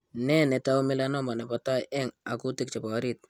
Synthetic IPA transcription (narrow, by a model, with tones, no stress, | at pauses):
nɛ˦nɛ˨ta˦u˦mɪ˦la˦nɔ˦ma˨nɛ˨pɔ˨ta˦ʔɛ˦ŋa˨ku˦tɪ˨k̚t͡ʃɛ˨pɔ˨˦ɾi˦t̚